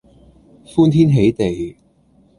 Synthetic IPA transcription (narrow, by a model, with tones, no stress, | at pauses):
fuː˥nt̪ʰiː˥nɦe˨˥jt̪e˨j